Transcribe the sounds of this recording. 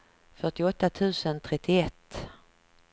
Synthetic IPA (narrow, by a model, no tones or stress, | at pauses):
fœʈɪɔt̪ːat̪ʰʉ̟ːsənt̪ʰɾɛt̪ːɪɛt̪ː